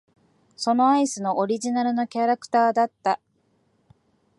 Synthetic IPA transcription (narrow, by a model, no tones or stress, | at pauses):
so̞no̞aisɨno̞ʔoɾʲiʑinaɾɯ̟no̞kʲaɾakɯ̟̥t̪aːd̪at̪ːa